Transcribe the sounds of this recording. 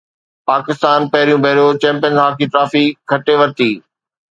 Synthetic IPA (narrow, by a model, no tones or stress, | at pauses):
paːkɪst̪aːnpɐɦɪɾijũbʱɐɦɾijot͡ɕɛ̃ːmpɪjə̃nɦaːkʰiʈɾaːfikʰɐʈeʋɐɾt̪iː